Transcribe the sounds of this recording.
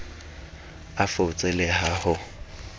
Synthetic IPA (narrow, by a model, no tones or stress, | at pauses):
afoʊt͡sʼelehahʊ